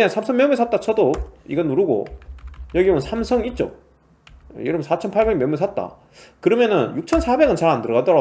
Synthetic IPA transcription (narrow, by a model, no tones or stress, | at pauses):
ɲaŋsʰamsʰʌŋmjemisʰat̚t͈at͡ɕʰʌdoiɡʌnːuɾuɡo̰jʌɡioɯnsʰamsʰʌŋit̚t͡ɕ͈o̰ | jʌɾɯbnsʰat͡ɕʰʌnpʰaɭbe̞ɡmjemesʰat̚t͈a̰ | kɯɾʌmjʌnɯnjuk̚t͡ɕʰʌnsʰabe̞ɡɯnt͡ɕaɾandɯɾʌɣadʌɾa